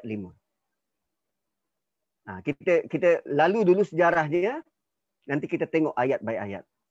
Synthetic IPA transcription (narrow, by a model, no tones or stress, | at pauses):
t̪̚limə | akit̪əkit̪əlaludulusəd͡ʒaɾahɲə | nant̪ikit̪ət̪eŋɔʔajat̪̚bajʔaja̰t̪̚